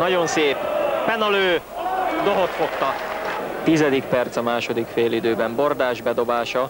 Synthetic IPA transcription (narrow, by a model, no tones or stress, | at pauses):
nɒɟo̞nseːpfɛnɒløː | d̪oɦot̪fo̞kt̪ɒt̪izɛd̪ikpɛrt̪sɒmaːʃo̞d̪ikfeːlid̪øːbɛmbo̞rd̪aːʒbɛd̪o̞baːʃɒ